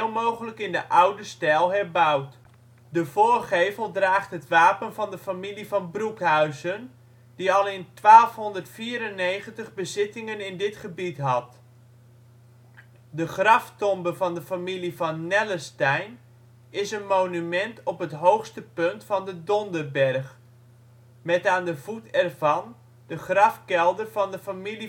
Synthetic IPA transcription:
lˠmowχələkɪndəʔawdəstɛlˠɦɛrbawt | dəvʊːrχejvəlˠdraːχtɦətʋaːpənvɑndəfamilivɑnbrukɦœɥzən | diɑlˠɪntʋaːlˠfɦɔndərtfiːɾənːejχəntəχbəzɪtɪŋənɪndɪtχəbitɦɑt | dəχrɑftɔmbəvɑndəfamilivɑnːɛləstɛjn | ɪsənmoːnymɛntʰɔpɦətɦowxstəpøntfɑndədɔndərbɛrχ | mɛtaːndəv̥utɛrvɑn | d̥əχrɑfkɛlˠdərvɑndəfamili

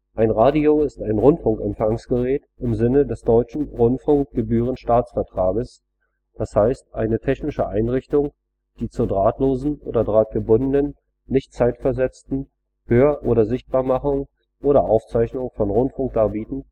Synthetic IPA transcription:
ʔaɪnʁaːdioɪstaɪnʁʊntfʊŋkɛmfaŋsɡ̥əʁɛːt | ɪmzɪnədɛsd̥ɔʏt͡ʃn̩ʁʊntfʊŋk̚ɡ̥əbyːʁ̞ənʃtaːt͡sfɛɐtʁ̥aːɡəs | d̥ashaɪstʔaɪnətʰɛçnɪʃəʔaɪnʁɪçtʊŋ | d̥iːt͡suːɐdʁaːtloːzn̩ʔo̰ːdɐdʁaːt̚ɡ̥əbʊndənənː | ɪçtt͡saɪtfɛɐzɛt͡stn̩ | høːɐʔoːɾɐzɪçt̚b̥aːɐmaχʊŋ | ʔoːɾɐʔaʊft͡saɪçnʊŋfɔnʁʊntfʊŋk̚d̥aːɐbiːtn̩

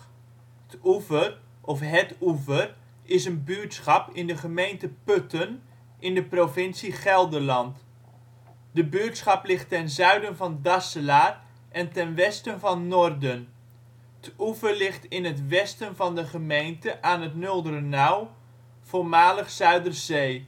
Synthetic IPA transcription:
tuvər | ʔɔfɦɛtuvər | ɪsənbytsχɑpɪndəχəmejntəpøtən | ʔɪndəprovɪnsiχɛlˠdəlɑnt | dəbyːtsχɑplɪχtːɛnzœɥdənvɑndɑsəlaːr | ʔɛntɛnʋɛstənvɑnːɔrdən | ətuvərlɪχtɪnətʋɛstənvɑndəχəmejntəʔaːnətnølˠdərənaw | v̥olmaːləχsœɥdərzeː

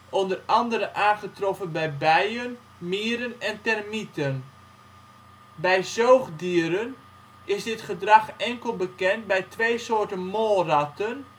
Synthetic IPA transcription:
ʔondərɑndəɾəʔaːnχətrɔfənbɛjbɛjən | miːɾənɛntɛrmitən | bɛjzoːχdiəɾən | ɪsdɪtχədrɑχɛŋkəlˠbəkɛnt̚bɛjtʋeːsoːtənmoːlˠrɑtən

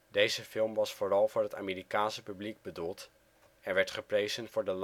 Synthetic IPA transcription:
dejzəfɪlˠmʋɑsfʊːrɑlˠvʊːɹɦəta̰ːmiːɾikaːnsəpybliɡ̚bədulˠt | ɛnʋɛɹtχəprejzənvʊːɹdəl

